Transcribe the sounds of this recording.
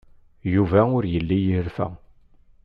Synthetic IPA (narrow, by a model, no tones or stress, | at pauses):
juvæʊɾjəlːijiɾfæ̰